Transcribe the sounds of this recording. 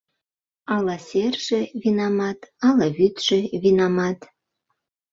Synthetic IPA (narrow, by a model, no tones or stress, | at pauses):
ɑlɑsʲerʒĕβinɑmɑt̪ɑlɑβyt̪ʒ̥ĕβinɑmɑt̪